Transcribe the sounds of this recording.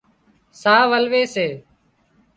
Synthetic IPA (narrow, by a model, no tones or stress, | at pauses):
saːʋəlʋeːseː